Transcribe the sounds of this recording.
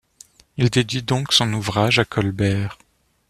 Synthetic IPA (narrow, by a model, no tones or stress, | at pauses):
ild̪ed̪id̪ɔ̃ksɔ̃nuvʁaʒakʰɔlbɛːʁ